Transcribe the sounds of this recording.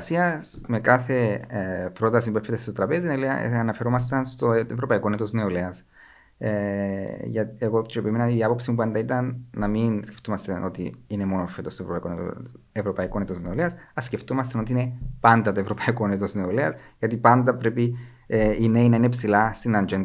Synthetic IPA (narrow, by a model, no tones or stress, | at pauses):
siɐsme̞kaθe̞ | pɾo̞t̪ɐsimpuefːet̪est̪ot̪ɾɐpeziineoleɐ̰ɐnɐfe̞ɾo̞mɐs̬t̪ɐnst̪oevɾo̞pɐiko̞net̪o̞zneoleɐs | e | ʝɐteɣot͡ʃoepimenɐniðiɐpo̞psimupuɐnd̪ɐit̪ɐnːɐminsceft̪omɐst̪ɐnʔo̞t̪iine̞mo̞nofet̪ost̪ovɾpaɐikoneo̰ | evɾo̞pɐikonet̪ozneoleɐsɐsce̞ft̪omɐst̪ɐnot̪iine̞pɐnd̪ɐt̪oe̞vɾo̞pɐikonet̪ozneoleɐsʝɐt̪ipand̪ɐpɾe̞pi | ine̞inɐinepsilast̪inɐnd͡ʒen